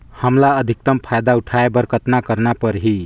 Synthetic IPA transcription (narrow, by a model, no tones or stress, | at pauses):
həmlaəd̪ʱik̚t̪əmpʰajd̪auʈʰaebəɾkət̪nakəɾnapəɾɦi